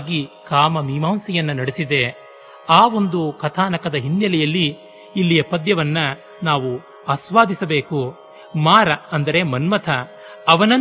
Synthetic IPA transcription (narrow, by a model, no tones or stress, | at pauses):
ɡikaːmɐmiːmaːmsɛjɐnːɐnɐɽisid̪e̞ | aːo̞nd̪ukɐt̪ʰaːnɐkɐd̪ɐɦinːjɐlɛjɐlːiː | lːijɐpɐd̪jɐʋɐnːɐ | naːʋu | asʋaːd̪isɐbe̞ːku | maːɾɐɐnd̪ɐɾe̞mɐnmɐt̪ʰɐː | ʋɐnɐ